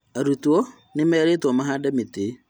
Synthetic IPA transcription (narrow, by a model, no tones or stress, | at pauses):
aɾutuo | nɪmɛɾetɔmaɦadamite